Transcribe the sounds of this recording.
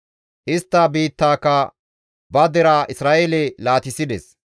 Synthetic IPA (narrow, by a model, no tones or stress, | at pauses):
ʔɪst̪ːɐbiːt̪ːaːkːɐ | bɐd̪ɛɾaʔɪsɾaːʔelɛlaːt̪ɪsɪd̪ɛs